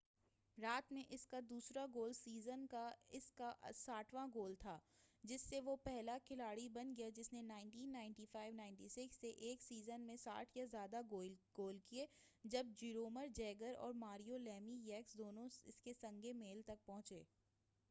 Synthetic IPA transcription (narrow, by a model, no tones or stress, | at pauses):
ɾaːt̪mẽʔɪskad̪uːsɾaɡoːlsiːzənkaɪskaʔsaːʈʰʋãɡoːlt̪ʰaːd͡ʒɪsːeʋopɛɦlakʰɪlaːɽibɐnɡɐjad͡ʒɪsnenaːɪɳʈiːnːaːɪ̃ɳʈifaːɪʋnaːɪ̃ɳʈisɪksːeʔeːksiːzənmẽsa̰ːʈʰjazjaːd̪aoɡ̥oːlkie | d͡ʒɐb̚d͡ʒiːɾoːməɾd͡ʒɛːɡəɾɔ̰ːɾmaːɾijolɛːmijɛːksd̪oːnõɪskesɐ̃ŋɡʱemeːlt̪ɐk̚pɔ̃ɦʊ̃t͡ʃeː